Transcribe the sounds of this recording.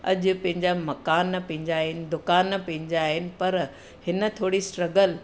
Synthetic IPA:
ɐ̰ʄʊ̆pɐ̃ɦɪ̃ɲd͡ʑamɐkaːnɐpɐ̃ɦɪ̃ɲd͡ʑaːɦɪnɪ̆d̪ʊkaːnːɐpɐ̃ɦɪ̃ɲd͡ʑaɦɪnɪ̆pɐɾ | hɪnə̆t̪ʰoːɽisʈɾɐɡəl

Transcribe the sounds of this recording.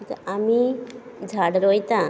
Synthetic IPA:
t̪amid͡ʒʱaɽɾojt̪ã

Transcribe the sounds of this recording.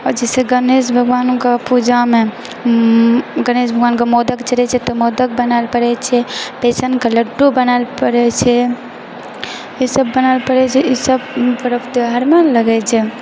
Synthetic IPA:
ɔɾd͡ʒɛseɡənesbʱəɡʋankepud͡ʒame | ɡənesbʱəɡʋankemod̪əkt͡ʃəɾɛt͡ʃʰɛt̪ɔmod̪ək̚bənalpəɾɛt͡ʃʰɛpesənkeləɖːubənalpəɾɛt͡ʃʰɛ | isəbːənalpəɾɛt͡ʃʰɛʔisəbt̪əɾəpʰt̪eɦəɾmeləɡɛt͡ʃʰɛ

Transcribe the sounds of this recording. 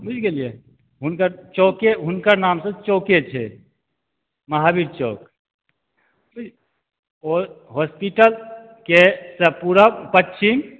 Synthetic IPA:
bud͡ʒʰʱɡelije | ɦunkəɾt͡ʃokeɦunkəɾnamsə̃t͡ʃoket͡ʃʰɛ̰ | məɦabiɾt͡ʃoːk | bud͡ʒ | oɦospiʈəl | kesə̃puɾəpətːʃʰim

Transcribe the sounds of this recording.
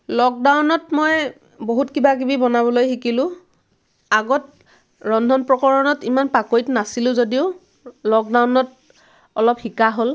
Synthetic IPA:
lɔk̚dawnɔtmɔj | boɦutkibakibibɔnabɔlojxikilʊ̃ | aɡɔt | ɹɔndʱɔnpɹɔkɔɹɔnɔtimanpakojtnasilʊ̃zodiʊ | lɔk̚dawnɔt̚ | ɔlɔphikaɦol

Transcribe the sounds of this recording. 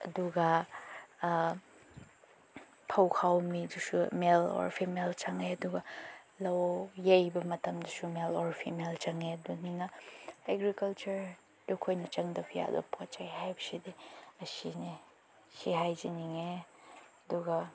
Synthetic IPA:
ɐ̰duɡɐ | pʰɐwkʰawmidusumelɔ̰ɾpʰimelt͡ʃɐŋeɐduɡɐ | lɐwjejbɐmɐtɐmdɐsumelɔɾpʰḭmelt͡ʃɐŋeɐduninɐeɡɾikɐlt͡ʃɐɾ | dukʰojnɐt͡ʃɐŋdɐpʰija̰do̰pʰɔt͡ʃajɦajbɐsidiɐsini | siɦajziniŋe | ɐduɡɐ

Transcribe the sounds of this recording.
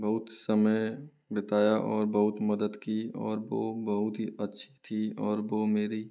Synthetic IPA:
bɐɦʊt̪səməj | bɪt̪aːjaʔɔːɾbɐɦʊt̪mɐd̪əd̪kiɔ̰ːɾʋoːbɐɦʊt̪ɦiɐtːʃʰi̥t̪ʰiɔːɾʋoːmeːɾi

